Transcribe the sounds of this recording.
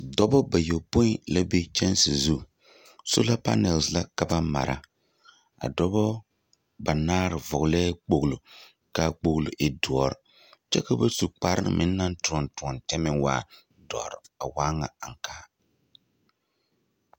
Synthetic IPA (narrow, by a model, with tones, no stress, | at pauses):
dɔ˦bɔ˦ba˨jo˨po˦i˦la˦be˦t͡ʃɛ˦nsi˨zu˦ | so̰˦la˦pa̰˦nɛ˨lsla˦ka˨ba˦ma̰˨ɾʔa̰˨ | a̰˨dɔ˦bɔ˦ | ba˨naː˦ɾɪ˨vʊ˨ɣlɛː˦k͡po˨ɣlo˨ | ka˦˨k͡po˨ɣlo˨ʔɪ˨du˨ɔ˦ɾ | t͡ʃɛ˦ka˦ba˦su˨k͡pa˨ɾɪ˦ɾɨ̰˨mʔɪ˨˦nː˦a˦n˦tʊ˨ɔ˨ntʊ˨ɔ˨ntɛ˦mɪ˦wa̰ː˨ | dɔ̰˨ɾɪ˨a˨waː˦ŋa˨a˨ŋkaː˦˨˦